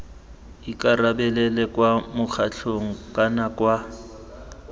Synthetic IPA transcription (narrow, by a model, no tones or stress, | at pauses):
ikʼarabɛlɛlɛkʼwamʊk͡xʰaɬʰoŋ̩kʼanakʼwa